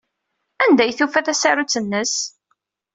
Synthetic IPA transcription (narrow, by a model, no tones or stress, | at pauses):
ænd̪æjθufæθæsaɾut͡sːənːəs